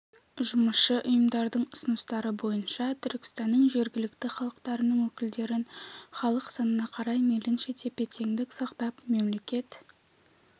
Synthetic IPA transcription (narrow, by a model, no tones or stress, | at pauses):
ʒʊməsʃəʔʊjəmd̪ɑɾd̪əɴʊsənəst̪ɑɾəbo̞jənʃɑt̪ʰʏɾkʲɪ̥st̪ɑnːəɴʒe̞ɾɡʲɪlɪkt̪ɪχɑlˠəqt̪ɑɾənəɴwɵkʲɪld̪e̞ɾɪnχɑlˠəqsɑnənɑqʰɑɾɑjmelɪnʃet̪ʰe̞pe̞t̪ʰe̞ŋd̪ɪksɑqt̪ɑpme̞mle̞kʲe̞t̪